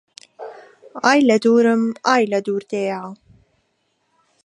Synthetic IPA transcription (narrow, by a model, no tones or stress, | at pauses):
ʔaːjlɐd̪uːɾəmʔaːjlɐd̪uːɾd̪eːʕa